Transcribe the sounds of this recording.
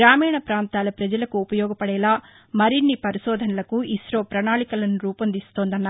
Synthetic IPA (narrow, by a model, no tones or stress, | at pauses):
ɾaːmiːɳɐpɾaːnt̪aːlɐpɾɐd͡ʒɐlɐkuːpɐjɔːɡɐpɐɽɛːlaː | mɐɾinːipɐɾiʃɔːd̪ʱɐnɐlɐkuisɾoːpɾɐɳaːɭikɐlɐnuɾuːpɐnd̪ist̪oːnd̪ɐnːaː